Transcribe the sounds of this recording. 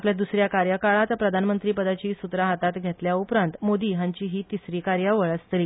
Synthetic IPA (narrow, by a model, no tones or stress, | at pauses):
apljad̪usɾjakaɾjəkaɭat̪pɾəd̪ʱanmənt̪ɾiːpəd̪at͡ɕiːsut̪ɾaɦat̪at̪ɡʱet̪ljaupɾãnt̪mod̪iːɦãɲt͡ɕiːɦiːt̪isɾiːkaɾjaʋəɭəst̪liː